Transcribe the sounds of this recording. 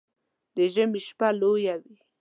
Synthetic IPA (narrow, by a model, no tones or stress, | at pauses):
d̪əʒəmiʃpalojawi